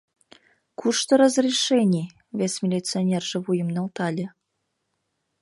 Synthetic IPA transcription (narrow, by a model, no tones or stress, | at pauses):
kʰuʃt̪oɾəzrʲiʃenʲi | βʲesmʲilʲit͡sionʲerʒĕβujə̆mnɑlt̪ɑlʲĕ